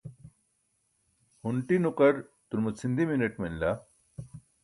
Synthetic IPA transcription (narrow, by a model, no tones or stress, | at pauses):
huɳʈinuqɐɾt̪uɾmut͡sʰind̪imineʈmenla